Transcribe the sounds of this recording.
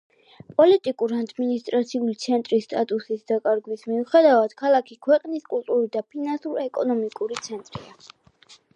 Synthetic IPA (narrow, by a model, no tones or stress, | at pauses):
pʼɔlit̪ʼikʼuɾad̪minist̪ʼɾat̪sʰiulit̪sʰɛnt̪ʼɾisːt̪ʼat̪ʼusisd̪akʼaɾɡwismiuχɛd̪avad̪̥kʰalˠakʰikʰwɛqʼniskʼulˠt̪ʼuɾid̪apʰinansuɾɛkʼɔnɔmikʼuɾit̪sʰɛnt̪ʼɾḭa